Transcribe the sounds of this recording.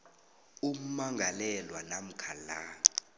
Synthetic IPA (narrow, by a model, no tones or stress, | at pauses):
um̩maŋʱalɛlwanam̩kʰala